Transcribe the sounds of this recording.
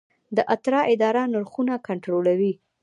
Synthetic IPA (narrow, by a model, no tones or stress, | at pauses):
d̪əʔat̪ɾɑʔɪd̪ɑɾanʊɾxunakaɳʈɾolawi